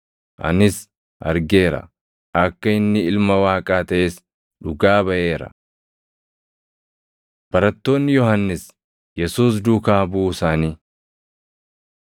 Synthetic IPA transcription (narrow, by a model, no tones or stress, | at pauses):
ʔɐ̰nɪs | ʔɐ̰ɾɡe̞ːɾɐ̰ | ʔɐkːɐɪnːɪɪlmɐwaːkʼaːt̪ɐʔeːs | ᶑʊɡaːbɐʔe̞ːɾɐ̰ | b̥ɐɾɐt̪ːo̞ːnːɪjɔhɐnːɪs | jɛsuːs̬d̪ukaːbuːsaːniː